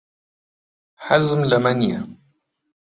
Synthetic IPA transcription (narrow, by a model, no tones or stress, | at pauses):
ħazmlamanja